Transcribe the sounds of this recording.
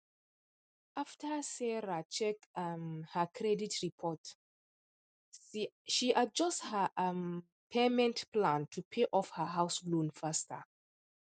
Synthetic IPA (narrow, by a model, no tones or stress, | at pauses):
ʔaftʰəsɛɹat͡ʃɛkmhəkʰɹɛditɹipʰɔt | ʃiʔad͡ʒɔsthəʔm | pʰɛmɛ̃ntplãntʰupʰeʔɔfhəɦaʊslõnfastʰə